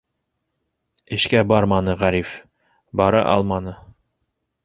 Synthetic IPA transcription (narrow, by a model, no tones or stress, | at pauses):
ɘ̆ʃkæbɑɾmɑnɤʁæɾif | bɑɾɤ̰ʔɑ̰lˠmɑnɤ